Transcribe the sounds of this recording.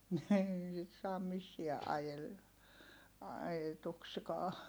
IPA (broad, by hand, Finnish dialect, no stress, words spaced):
niː sit sɑːm misːiæ ʔɑjel ɑjetukskɑː